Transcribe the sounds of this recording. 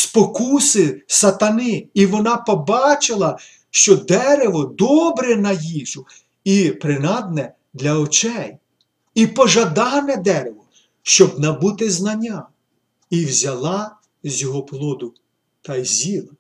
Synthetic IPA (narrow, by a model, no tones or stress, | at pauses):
spɔkusɪsɐt̪ɐnɪiʋɔnɑpɔbɑt͡ʃɪlˠɐ | ʃt͡ʃɔd̪ɛɾeʋɔd̪ɔbɾɛnɐjiʒʊ | ipɾɪnɑd̪̚nɛ | d̪lʲɐɔt͡ʃɛj | ipɔʒɐd̪ɑnɛd̪ɛɾeʋɔ | ʃt͡ʃɔbnɐbut̪ɪznɐnʲːa | iwzʲɐlˠɑ | zʲjɔɦɔplˠɔd̪ʊ | t̪ɐjzʲilˠɐ